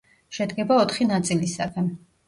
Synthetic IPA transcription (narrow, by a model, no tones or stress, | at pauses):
ʃɛd̪ɡɛbaɔt̪ʰχinat̪sʼilisakʰɛm